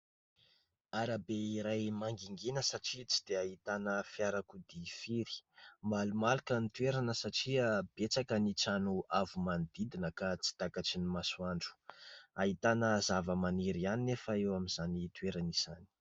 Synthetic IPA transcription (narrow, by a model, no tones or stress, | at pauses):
aɾabeiɾajmaŋɡiŋɡenəsaʈ͡ʂit͡si̥d̪eaɦit̪anəfjaɾakud̪ifiɾi̥mbalumalikənit̪ueɾanəsaʈ͡ʂiəb̥et͡sakənit͡sanuavumand̪id̪inəkat͡si̥t̪akat͡sinimasuaɳɖ͡ʐu̥aɦit̪anəzavəmaniɾianinefəewamizanit̪ueɾanizani̥